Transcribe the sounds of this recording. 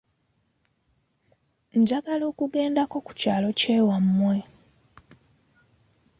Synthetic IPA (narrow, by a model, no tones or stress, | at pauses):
ɲɟaɡalo̞ːkuɡe̞ːndako̞ku̥caːlo̞ceːwamːwe